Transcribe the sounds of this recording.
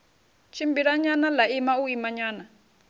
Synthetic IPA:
t͡ʃʰimbiɺaɲanalaimauimaɲaːna

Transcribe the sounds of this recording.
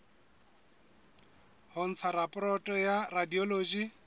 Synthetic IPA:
hʊn̩t͡sʰaɾapʼɔrɔtʼɔjaradiɔloːd͡ʒi

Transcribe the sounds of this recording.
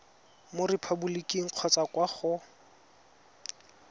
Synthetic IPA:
morɪpʰabulikʼiŋ̩q͡χʰɔt͡sakwaχʊ

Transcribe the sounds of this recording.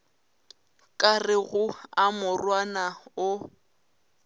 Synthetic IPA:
kʼarɪɣʊamʊrwanaʊ

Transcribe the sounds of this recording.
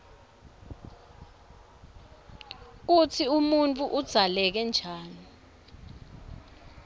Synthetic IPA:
k̬ut͡sʰiumunt͡fʼuʔud̥z̥ʱalɛk̬ɛnd͡ʒʱaːni

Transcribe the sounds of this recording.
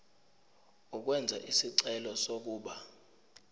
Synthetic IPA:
ɔk̬wɛnd͡zʱa̰ʔisiǀɛlɔsok̬uːɓa

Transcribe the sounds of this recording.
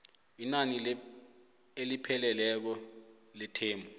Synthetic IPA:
inani | elipʰɛlɛlɛk̬ɔ | lɛtʰeːmbʱu

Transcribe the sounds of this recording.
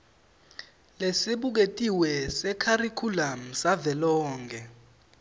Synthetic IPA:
lesiɓuk̬etʼiwɛsɛkʰarikʰulam̩savɛlɔːŋɡʱɛ

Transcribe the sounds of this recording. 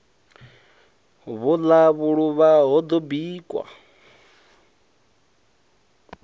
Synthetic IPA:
βulaβuɺuβaɦɔd̪ɔbiːkʼwa̰

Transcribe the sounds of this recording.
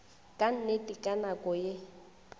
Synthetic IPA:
kʼan̩netʼikʼanakʼɔje

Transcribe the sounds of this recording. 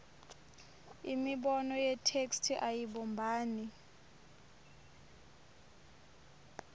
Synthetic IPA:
imiɓɔnɔjɛtʰekstʰiʔajiɓɔmbʱaːni

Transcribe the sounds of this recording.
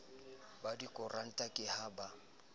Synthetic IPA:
badikʼʊrʔan̩tʼakʼɪhaba

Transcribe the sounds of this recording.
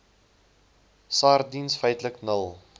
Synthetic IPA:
sɑːrdinsfəjtləknəlˠ

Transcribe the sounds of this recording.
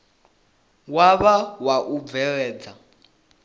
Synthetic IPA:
waβawaʔub̪vɛɺɛːd͡za

